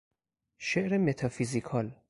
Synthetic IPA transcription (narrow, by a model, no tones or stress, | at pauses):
ʃeʔɾemet̪ʰɒfizikʰɒːl